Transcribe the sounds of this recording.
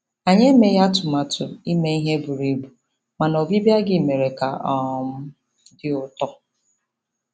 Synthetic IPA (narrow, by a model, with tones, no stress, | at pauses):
a˨ɲe˦me˦ja˦tʊ˨ma˨tʰʊ˨i˦me˦i˦ɦe˦bʊ˨ɾi˨bu˨ | ma˨nɔ˨bi˦bja˦ɡɪ˦˨me˨ɾe˨ka˨ɔ˨ɔ˨m̩˦ | dɪ˦ʊ˨tɔ˦